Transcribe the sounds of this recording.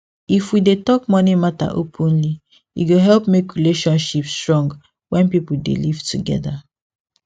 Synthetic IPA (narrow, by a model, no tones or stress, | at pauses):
ifwidetɔk̚mɔnimata̰ʔopʰũnli | jṵɡoɦɛlpmekɹileʃɔ̃nʃipstɹɔ̃ŋɡ | wɛ̃npipudḛlivtuɡɛ̰ða